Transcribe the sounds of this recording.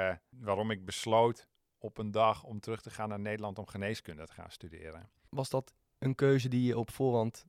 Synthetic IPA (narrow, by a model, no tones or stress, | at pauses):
ʋaːɾɔmɪɡ̚bəslowt | ɔpəndɑχɔmtərɵχtəχaːnːarneːdəlˠɑntɔmχəneːskøndətə̥χa̰ːnstydɪ̰ːɾə̰n | ʋɑzdɔt | ənkøːzədijəɔpfoːʋɑnt